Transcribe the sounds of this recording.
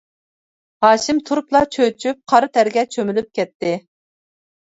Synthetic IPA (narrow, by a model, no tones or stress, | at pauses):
hɑːʃimt̪ʰuɾuplˠɑt͡ʃʰøt͡ʃʰyp̚qʰɑɾɨt̪ʰæɾɡʲɛt͡ʃʰømylyp̚kʲɛt̪ʰːɪ